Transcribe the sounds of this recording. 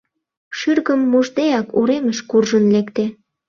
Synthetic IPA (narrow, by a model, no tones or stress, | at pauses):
ʃyrɣəmːuʒd̪ejɑkuɾeməʃkurʒənlekt̪e